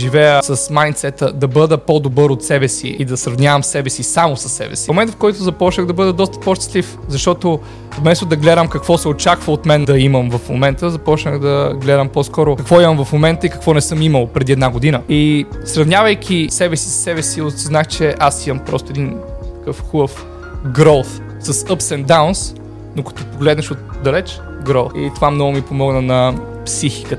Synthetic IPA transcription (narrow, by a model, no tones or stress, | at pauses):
ʒivɛjəsɐsmajnt̪sɛt̪əd̪ɐbɤd̪əpɔd̪obɤɾot̪sɛbɛsḭid̪ɐsɾɐvnʲavɐmsɛbɛsisamosɐ̥sːɛ̰bɛ̰si̥momɛnt̪fkɔjt̪ʊzɐpɔt͡ʃnəɣd̪ɐbɤd̪ɐd̪ɔst̪ə̥pɔʃt̪ɛ̥slifzɐʃt̪ɔt̪o | vmɛst̪ʊd̪ɐɡlɛd̪əmkɐkvɔsɛot͡ʃakvəot̪mɛnd̪ɐiməmvɐfmo̰mɛnt̪əzɐpɔt͡ʃnəxd̪ɐɡlɛd̪əmpɔskɔɾʊkɐkvɔimɐmvɐfmomɛnt̪əikɐ̥kvɔnɛsɤmiməlˠpɾɛd̪iɛd̪naɡod̪inəisɾɐvnʲjavəjkʰʲisɛbɛsi̥ssɛβɛsiot̪znaxt͡ʃɛʔasimɐmpɾɔ̰st̪oɛd̪intt̪ɐ̥kɤfxubəf | ɡɾɔlˠf | səsəpsɛnd̪auns | nokɐ̥t̪ɔpoɡlɛd̪nɐʃot̪d̪ɐlɛt͡ʃ | ɡɾɔlˠfḭt̪ovamnɔɡʊmipomɔɡnənɐ | psixi̥kə